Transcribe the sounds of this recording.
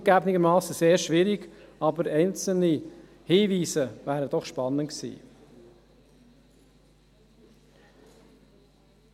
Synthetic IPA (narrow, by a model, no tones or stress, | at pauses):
ɡ̥æbnɪɡəɾmɑːsəseːɾʃʋiɾiɡɑbəɾɛɪnt͡sl̩ni | hiːviːsəvæːɾəd̥ɔχʃpɑnəntksḭː